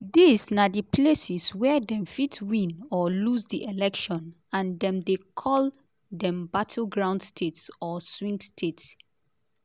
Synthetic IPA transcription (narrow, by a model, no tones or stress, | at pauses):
disnadipʰlesiswɛdɛ̃mfitʰwĩnɔlusdiʔelɛkʃɔ̃n | ãndɛ̃mdekʰɔl | dɛ̃mbatʰl̩ɡɹãʊndstʰetsɔswĩŋɡstʰets